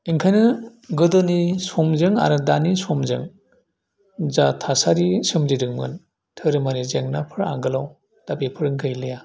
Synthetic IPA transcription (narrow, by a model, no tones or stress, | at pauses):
iŋkʰajnɯɡɯdɔnisɔmzɯŋa̰ɾɯdanisɔmzɯ̰ŋ | zatʰasaɾisɯmdiɾɯŋmɯ̰n | tʰɯɾɯmaɾizeŋnapʰɯɾa̰ŋɡɯlaw | d̥abepʰɯɾɯŋɡʰɯjlɯja